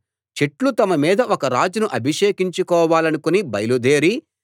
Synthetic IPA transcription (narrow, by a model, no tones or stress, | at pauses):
t͡ʃeʈlut̪ɐmɐmiːd̪ɐʔɔkɐɾaːd͡ʒunuʔɐbʱiʂeːkiɲt͡ʃukɔːʋaːlɐnukunibɐjɐlud̪eːɾi